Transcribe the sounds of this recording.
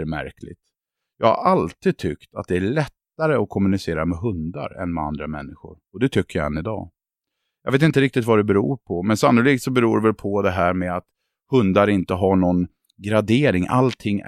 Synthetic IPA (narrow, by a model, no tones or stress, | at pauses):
ɾmæ̰ɾkʰlɪ̰t̪ | jɑːɡha̰ɾalt̪ʰiːd̪̚t̪ʰʏkt̪a̰t̪̚d̪ɛæɭɛt̪ːaɾəɔkʰɔmːɵnɪseːɾamɛɦɵnd̪a̰ɾɛ̰nmɛa̰nd̪ɾamɛ̰nːɪɧʊ̰ɾɔd̪ɛt̪ʰʏkːəjaɛ̰nːɪd̪ɑ̰ː | jɑːɡveːt̪ɪnt̪əɾɪk̚t̪ɪt̪vad̪ɛbɛɾuːɾpʰɔmɛnsamnɵliːɡ̚t̪sɔbɛɾuːɾvɛlpʰɔd̪ɛɦæːɾmɛat̪ | hɵnd̪aɾɪnt̪əɦaɳɔn | ɡɾad̪eːɾɪŋʔa̰lt̪ʰɪŋː